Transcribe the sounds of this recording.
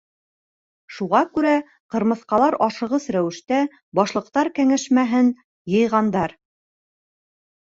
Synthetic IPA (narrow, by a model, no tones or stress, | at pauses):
ʃuʁɑkʉɾæ | qɤ̆ɾmɤ̆θqɑlˠɑɾɑʃɤ̆ʁɤsɾæwɘ̆ʃt̪æ | bɒʃlˠɤ̆q̚t̪ɑɾkæŋæʃmæɦɘn | jɤ̆jʁɑnd̪ɑɾ